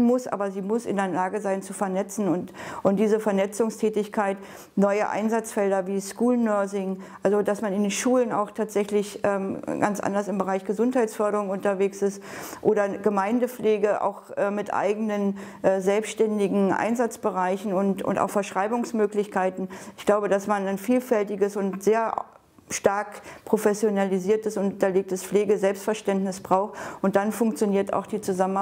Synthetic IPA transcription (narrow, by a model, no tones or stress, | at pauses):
mʊsʔa̰ːbɐziːmʊsɪ̰ndeɐlaːɡəzaɪnt͡sufɛɐnɛt͡sn̩ʊntʔʊnt̚d̥iːzəfɛɐnɛt͡sʊŋstʰɛːtɪçkʰaɪt | nɔʏəʔa̰ɪnzat͡sfɛldɐviːskuːlnːœɐzɪŋʔalzodasmanɪndeːnʃuːləna̰ʊxtʰaːtz̥ɛçlɪçʔɛːmɡa̰nt͡sʔa̰ndɐsɪmbəʁaɪçɡ̥əzʊnthaɪtsfœɐɾəʁʊŋʊntɐveːksɪstʔoːɾɐɡ̥əmaɪndəfleːɡəʔa̰ʊxʔɛːmɪtʔa̰ɪɡənənʔɛːzɛlpsʃtɛndɪɡŋ̩ʔa̰ɪnzat͡sb̥əʁaɪçn̩ʊntʊ̰nta̰ʊxfɛɐʃʁ̥aɪbʊŋsmøːklɪçkʰaɪtn̩ɪçɡ̥laʊbədasmanaɪnfiːlfɛltɪɡəsʊntz̥eːɐ | ʃtaɐkpʁ̥ofɛsjonaliziːɐtəsʊntɐleːk̚təsfleːɡəzɛlpstfɛɐʃtɛntnɪsb̥ʁaʊxtʊnt̚d̥anfʊŋk̚t͡sjoniːɐta̰ʊxd̥iːt͡suzamən